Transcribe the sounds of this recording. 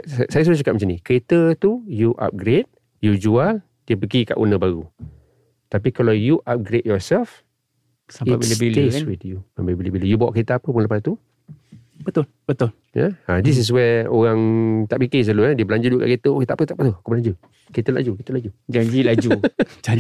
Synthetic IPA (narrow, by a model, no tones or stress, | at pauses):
sajas̬udasukap̚mat͡ʃanikəɾet̪ət̪ujuʔa̰p̚ɡɾet̪̚ | jud͡ʒual | d̥iəp̬əɡika̰ʔṵnəbaɣu | t̪apikalawjuʔap̚ɡɾet̚jɔsɛlf | samiabilebilewitjuməmbebilebilijubawɔʔkəɾet̪aapəp̬ʊŋləpast̪u | bət̪ʊlbət̪ʊl | ja̰adis̬is̬wɛoɣaŋt̪aʔpikis̬əluɛdiəbəlaɲd͡ʒutduʔka̰ʔket̪əket̪apət̪aʔpət̪ukobəlaɲd͡ʒu | kəɾet̪əla̰d͡ʒukit̪əlad͡ʒud͡ʒaɲd͡ʒilad͡ʒud͡ʒa